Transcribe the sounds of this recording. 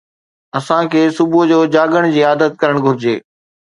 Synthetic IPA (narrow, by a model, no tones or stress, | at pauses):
ɐsãkʰeːsʊbʊd͡ʑoːd͡ʑaːɠəɽ̃d͡ʑiːaːd̪ət̪̚kɐɾəɽ̃ɡʱʊɾɪd͡ʑeː